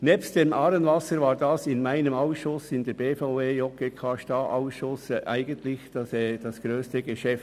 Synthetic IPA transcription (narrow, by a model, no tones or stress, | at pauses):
nɛːpstd̥emʔɑːɾənvɑsəɾvaːɾdɑsɪnmaɪnəmaʊsʃʊsɪndɛb̥eːfaʊveːjɔkekʰaʃtaʔaʊsʃʊsʔa̰ɪɡəntlɪçd̥ɑsɛd̥ɑsɡ̥ɾøːstəɡəʃɛft